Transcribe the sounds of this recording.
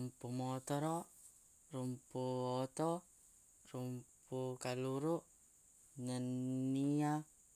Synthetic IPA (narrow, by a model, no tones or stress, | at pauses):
mpumɔt̪ɔɾɔʔ | rumpuwɔt̪ɔ | rumpukaluɾuʔ | nənːia